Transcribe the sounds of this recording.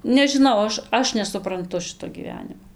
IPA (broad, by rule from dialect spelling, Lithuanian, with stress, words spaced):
nʲɛʒʲɪˈnɐʊ ˈɐʃ ˈɐʃ nʲɛsʊprɐnˈtʊ ˈʃɨtoː ɡʲiːˈʋʲæːnʲɪmoː